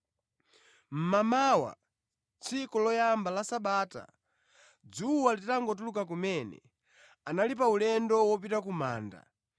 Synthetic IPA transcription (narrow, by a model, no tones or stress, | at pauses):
m̩mamawa̰ | t͡sʰikɔlɔjambalasaɓaːta̰ | d͡zuwalittaŋɡɔt̬ulukak̬umɛnɛ̰ | analip̬aulɛndɔwɔpitakumaːnda̰